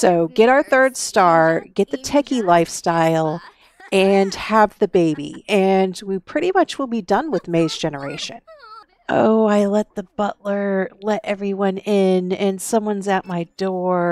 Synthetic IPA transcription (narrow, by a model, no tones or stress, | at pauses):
soʊɡɛɾaʊə˞θɜ˞d̥stɑɹɡ̥ɛt̪̚ðɨtʰɛkilaɪfstaɪlˠ | ɨ̃nəvðɨbeɪbḭɨ̃nwipʰɹ̥ɪɾimʌt͡ʃwəl̩ˠbidʌ̃nwɨðmeɪzd͡ʒɛnə˞eɪʃɨ̃n | ʔo̰ʊaɪlɛt̪̚ðɨb̥ʌʔlə˞lɛɾʔɛvɹiwʌ̃nɪ̃nɨ̃nsʌ̃mwʌ̃nzɨt̚maɪdɔɹ